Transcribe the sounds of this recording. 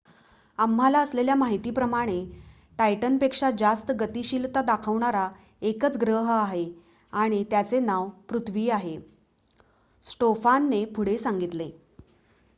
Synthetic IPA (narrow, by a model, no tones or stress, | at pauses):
amːalaəsleljamaɦit̪iːpɾəmaɽ̃e | ʈajʈənpekʂad͡ʑast̪əɡət̪iːɕilt̪ad̪akʰəʋɳaɾa | ekət͡sɡɾəɦaɦe | aɽ̃it̪jat͡senaʋpɾut̪ʰʋiːaɦe | sʈofanːepʰuɽesaŋɡit̪le